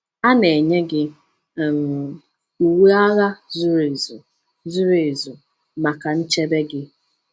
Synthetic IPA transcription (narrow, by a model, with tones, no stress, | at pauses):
a˦ne˨ɲe˦ɡɪ˦˨ | m˨ | u˨we˦a˦ɣa˦zu˦ɾe˨zu˨ | zu˦ɾe˨zu˨ | ma˨ka˨n̩˦t͡ʃe˦be˦ɡɪ˦